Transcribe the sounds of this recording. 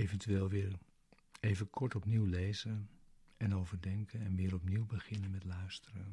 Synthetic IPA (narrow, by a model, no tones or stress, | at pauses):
ejvɛntyʋeːlˠʋɪːɹ | ejvəkʰɔɹtɔpniwlejzənɛnowvəɹdɛŋkənɛnʋɪːɾɔpniwbəχɪnənmɛtlœɥstərən